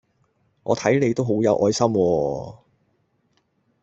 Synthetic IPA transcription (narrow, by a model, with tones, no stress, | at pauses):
ŋʔɔ̰ː˨˧t̪ʰɐ˨˥jne˨˧jt̪o˥wɦo˨˥wjɐ˨˧wʔɔː˨˥jsɐ˥mwɔː˧